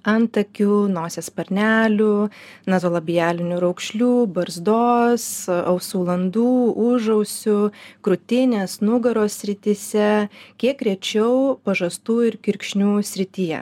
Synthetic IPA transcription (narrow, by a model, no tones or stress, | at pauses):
ɐnt̪ɐkʲuːnoːsʲeːspɐɾʲnʲæːlʲʊ | nɐzoːlˠɐbʲɪjæːlʲɪnʲʊɾɐʊkʃʲlʲuːbɐɾzd̪oːsɐʊsuːlˠɐnd̪uːʊʒɐʊsʲʊkɾʊt̪ʲɪnʲeːsnʊɡɐɾoːsʲsʲɾʲɪt̪ʲɪsʲɛkʲiɛkɾʲɛt͡ʃʲɛʊpɐʒɐst̪uːɪɾkʲɪɾʲkʃʲnʲuːsʲɾʲɪt̪ʲijɛ̰